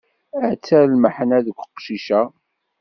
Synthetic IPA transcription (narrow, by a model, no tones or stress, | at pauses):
æt͡sːælməħnæðəkʷːəqʃiʃæ